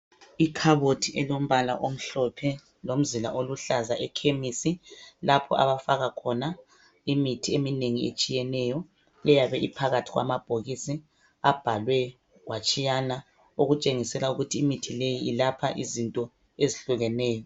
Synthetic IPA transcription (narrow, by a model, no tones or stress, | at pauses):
ikʰaβotʰiʔɛlom̩βala̰ʔom̩ɬɔpʰɛ | lom̩zila̰ʔoluɬazaʔɛkʰemisilapʰɔ̰ʔa̰βafaɣakʰɔna | imitʰiemineŋiḛt͡ʃʼijɛnɛjɔ | lɛjaβɛʔipʰaɣatʰiɣwa̰mab̥ʱoɣisi | ab̥ʱalwɛ | wʔat͡ʃʼijana | uɣut͡ʃʼeŋisɛlauɣutʰiːmitʰilejiːlapʰaʔḭzintʼɔ | eziɬuɣɛnɛːjɔ